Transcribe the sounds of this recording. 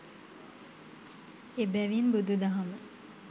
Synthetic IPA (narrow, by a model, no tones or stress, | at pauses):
ebɛʋinbud̪ud̪ɐɦamə